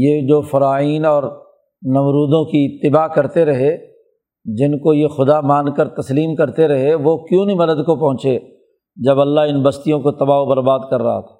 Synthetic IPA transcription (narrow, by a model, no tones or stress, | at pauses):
jed͡ʒoːfɐɾaːiːnɔːɾ | nɐmɾuːd̪õkiɪt̪ːɪbaːkɐɾt̪eɾɐɦe | d͡ʒɪnkojexʊd̪amãːnkəɾt̪ɐsliːmkɐɾt̪eɾɐɦeʋokjũːnimɐd̪əd̪kopɐɦʊ̃t͡ʃeː | d͡ʒɐbɐlːaɦɪnbɐst̪ijõkot̪ɐbaːobɐɾbaːd̪kɐɾːɐ̰ɦa̰t̪ʰa